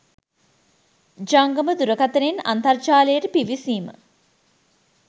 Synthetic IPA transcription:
d͡ʒaŋɡəməd̪uɾəkat̪əɾena̰nt̪ɐrt͡ʃaːlejəʈəpiʋisiːmə̰

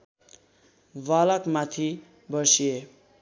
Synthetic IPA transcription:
walʌkmat̪ʰi | bʌsie

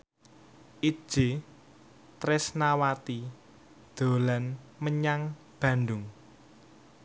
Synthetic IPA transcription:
ʔi̥ʒ̥e | t̪ɾɪsnawat̪i | d̪̥o̤lanməɲaŋ | b̥ä̤nd̪ʊŋ

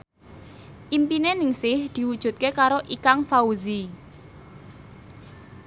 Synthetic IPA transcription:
ʔimpinenɪŋsɪhd̪̥i̤wud̥ʒ̥ṳt̪̚kekaɾoʔikaŋfauzi

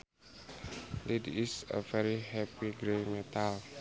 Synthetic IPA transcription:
ledisə̰vɛɾiɦɛpiɡɾemet̪al

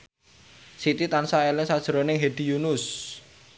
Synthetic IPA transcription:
sit̪it̪ansaelɪŋsad̥ʒ̥əɾonɪŋɦed̪̥i̤junʊs

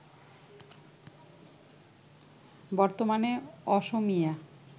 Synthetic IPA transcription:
bɔɾt̪omaneɔʃomija

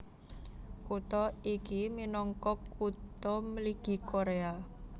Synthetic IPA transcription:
kut̪ɔikiminɔŋkɔkut̪ɔməliɡ̥i̤koɾea

